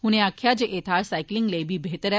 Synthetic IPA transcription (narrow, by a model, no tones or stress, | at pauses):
huñeəkʰːjad͡ʑeʔet̪ʰaɾsajkliŋɡlebʱiːbʱet̪əɾ